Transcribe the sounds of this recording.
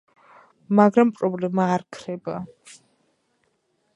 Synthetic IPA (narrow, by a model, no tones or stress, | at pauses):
maɡɾampʼɾɔblɛmaːɾkʰɾɛba